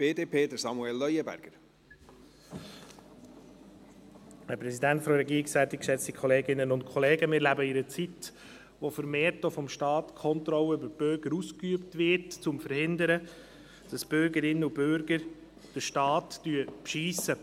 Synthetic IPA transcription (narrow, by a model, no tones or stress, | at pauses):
b̥eːdeːpʰeːd̪əsɑmuɛlːœʏjəbæ̰ɾɡ̥əɾ | hɛpɾɛsidæntfɔɾɛɡiːɾɪksæt̪ɪkʃɛt͡sikʰɔleːɡɪnənʊntkʰɔleːɡəmɪːɾlæbəɪɾət͡sit | ʋofəɾmeːɾtofɔmʃtɑːt̪kʰɔnt̪ɾɔlːəybəɾb̥ʏɾɡ̥əɾuskyəptʋɪɾtt͡sʊmfəɾhɪnd̪əɾə | d̥əsb̥ʏɾɡəɾɪnːəubøɾɡəɾ | d̥əʃtɑːtːyəpʃiːsə